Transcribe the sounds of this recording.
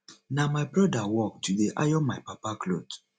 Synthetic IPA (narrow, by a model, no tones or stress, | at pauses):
namaɪbɹɔdawɔk̚tudeʔa̰jɔmaɪpapaklo̰d